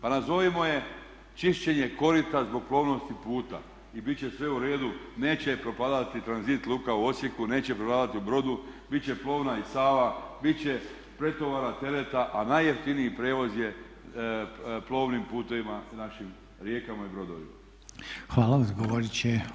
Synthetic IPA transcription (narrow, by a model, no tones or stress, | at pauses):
panazo̞ʋimo̞je̞ | t͡ʃiʃt͡ɕe̞ɲe̞ko̞ɾit̪azbo̞ɡ̚plˠo̞ːʋno̞st̪ipuːt̪a̰ | ibitt͡ɕe̞sʋe̞uɾe̞ːd̪une̞ːt͡ɕe̞pɾo̞paːd̪at̪it̪ɾanzit̪lˠukauo̞sjekune̞ːt͡ɕepɾopaːd̪at̪iubɾo̞d̪ubit͡ɕe̞plˠo̞ːʋnaisaːʋabit͡ɕe̞ | pɾe̞t̪o̞ʋaɾat̪e̞le̞t̪aʔanajːeft̪iniipɾe̞ːʋo̞zje̞ | plˠo̞ːʋnimpuːt̪o̞ʋimanaʃim | ɾje̞ːkamaibɾo̞d̪o̞̰ʋḭma̰ | xʋaːlaazɡoʋoɾit͡ɕe